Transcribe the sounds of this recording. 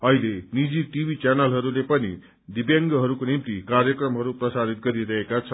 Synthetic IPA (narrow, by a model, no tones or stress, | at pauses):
ʌɦilenid͡ziʈibit͡sanʌlɦʌɾulepʌnḭ | d̪ibjaŋɡʌɦʌɾukonimt̪ikaɾjʌkrʌmɦʌɾuprʌsaɾit̪̚ɡʌɾiɾʌɦekat͡sʰʌ